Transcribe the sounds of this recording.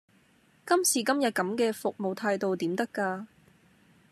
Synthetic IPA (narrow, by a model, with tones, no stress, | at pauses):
kɐ˥msiː˨˩kɐ˥mjɐ˨t̚kɐ˨˥mkɛː˧fʊ˨k̚mo˨wt̪ʰaː˧jt̪o˨wt̪iː˨˥mt̪ɐ˥kːaː˧